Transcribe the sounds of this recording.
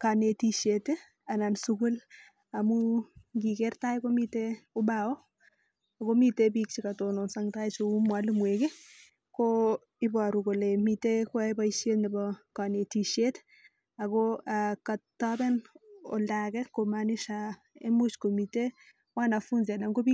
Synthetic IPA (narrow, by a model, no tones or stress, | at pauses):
kanetiʃete | anansukul | amuɡikɛrtajkomiteʊbawɔ | akomitebik̚t͡ʃikatonɔnsaŋtajt͡ʃomwalmweke | ko | ɪbaɾukolemitekwɛbaiʃetnibɔkanetiʃet | akɔakatːɔbɛnɔ̰ldakɛkomaniʃa | emut͡ʃkomite | wanafunzanaŋɡobi